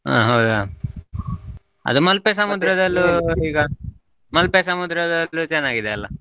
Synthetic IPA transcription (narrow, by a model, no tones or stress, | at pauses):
a̰ːɦɐwd̪a | ɐ̰d̪umɐlpes̬ɐmud̪ɾɐd̪ɐlːuiːɡɐ | mɐlpesɐmud̪ɾɐd̪ɐːut͡ʃɛnːaːɡid̪ɛɐlːɐ